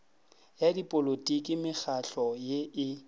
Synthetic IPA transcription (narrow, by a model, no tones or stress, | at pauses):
jadipʼolotʼikʼɪmɪk͡xaɬɔjeʔɪ